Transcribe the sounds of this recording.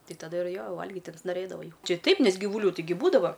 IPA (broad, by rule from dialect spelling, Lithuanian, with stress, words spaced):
ˈtʲɪ tɐˈdɐ ɪr ˈjoː ˈʋɐlʲɡʲɪtʲ ɪnsnoːˈrʲeːdɐʋɐɪ jɛʊ ˈt͡ʃʲɪ ˈtɐɪp ˈnʲɛs ɡʲiːʋʊˈlʲuː tʲɪˈɡʲɪ ˈbuːdɐʋɐ